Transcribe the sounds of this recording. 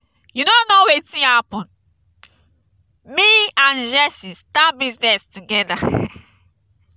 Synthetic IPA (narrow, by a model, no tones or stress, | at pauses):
junonowɛtĩhapɔ̃n | miãnd͡ʒɛsĩstabiznɛstuɡɛda